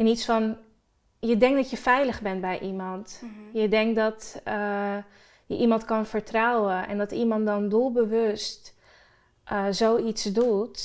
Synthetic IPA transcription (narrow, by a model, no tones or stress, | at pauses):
ɪnitsfɔn | jədɛŋk̚dɔtjəfɛjləɣbɛnbɛjʔimɔntjədɛŋk̚dɔt | jəʔimɑntkɑnfəɹtrawəɛ̰ndɔtimɑntdɔndulˠbəʋøst | ʔzoisdut